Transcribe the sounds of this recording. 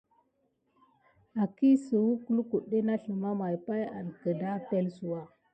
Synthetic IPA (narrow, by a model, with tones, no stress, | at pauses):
a˨ki˦sə˨wu˦ku˦lu˦ku˨ɗːe˦na˦ɬə˨ma˦ma˨jpa˦ja̰˨nkə˨da˦pe˦lsu˨wa˦